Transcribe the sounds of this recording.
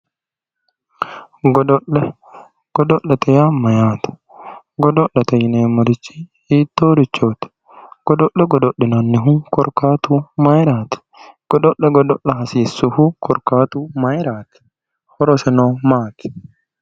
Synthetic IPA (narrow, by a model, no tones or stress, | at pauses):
ɡɔd̪ɔʔːɛ | ɡ̥ɔd̪ɔʔːɛt̪ɛjamɐjaːt̪ɪ̥ | ɡɔd̪ɔʔːɛt̪ɐjɪneːmɔɾɪt͡ʃːi̥ | iːt̪ːoːɾɪt͡ʃːoːt̪ɪ̥ | ɡ̥ɔd̪ɔʔɛɡɔd̪ɔɗɪnɐnːɪɦʊŋkɔɾkaːt̪ʊmɐjɾaːt̪ɪ̥ | ɡ̥ɔd̪ɔʔɛɡɔd̪ɔʔːɐɦɐsiːsːʊhʊkʰɔɾkaːt̪ʊmɐjɾaːt̪ɪ̥ | hɔɾɔsɛnoːmaːt̪ɪ̥